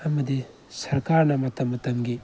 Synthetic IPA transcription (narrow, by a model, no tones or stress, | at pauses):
ɐmɐdi | sɐɾkaɾnɐmɐtɐmːɐtɐmɡi